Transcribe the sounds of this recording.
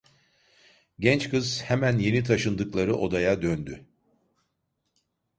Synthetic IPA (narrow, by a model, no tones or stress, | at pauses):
ɟɛnt͡ʃkʰɯz̥hɛmænje̞nit̪ʰaʃɯnd̪ɯklˠaɾɯʔo̞d̪ajad̪ønd̪y